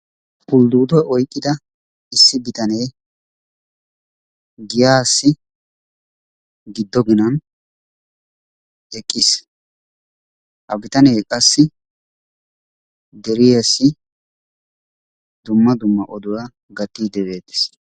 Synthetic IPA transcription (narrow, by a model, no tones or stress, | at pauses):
kʊld̪uːd̪ɔjɔjkʼːɪd̪ɐ | ɪsːɪbɪt̪ɐnejː | ɡɪjaːsːɪ | ɡɪd̪ːɔɡɪnɐn | ɛkʼːis | ʔɐbɪt̪ɐnejkʼɐsːɪ | d̪ɛɾɪjɛsːɪ | d̪ʊmːɐd̪ʊmːɐʔɔd̪ʊwaː | ɡɐt̪ːiːd̪ɛbeːt̪ːɪ̥s